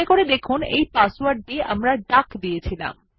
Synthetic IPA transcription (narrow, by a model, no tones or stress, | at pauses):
ekoɾed̪ekʰunḛjpaswaɾɖeʔa̰mɾaɖakd̪ijet͡ɕʰila̰m